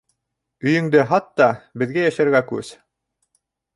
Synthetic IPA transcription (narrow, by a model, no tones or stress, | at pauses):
ɵ̆jɵ̆ŋd̪ɘɦɑt̪ːɑbɘ̆ðɡæjæʃæɾɡækʉ̰z̥